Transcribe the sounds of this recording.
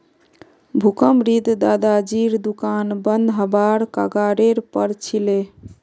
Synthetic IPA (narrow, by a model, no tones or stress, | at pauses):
bʱukəmɾid̪d̪ad̪ad͡ʒiɾd̪ukanbənd̪ʱɦəbaɾka̰ɡaɾeɾpəɾt͡ʃʰile